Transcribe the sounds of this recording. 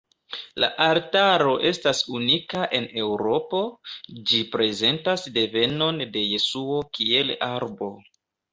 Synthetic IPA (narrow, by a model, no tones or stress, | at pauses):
la̰ʔaɾtaɾo̞ʔe̞stasunikaʔe̞ne̞wɾo̞po̞d͡ʒipɾe̞ze̞ntasde̞ve̞no̞nde̞je̞suo̞kie̞laɾbo̞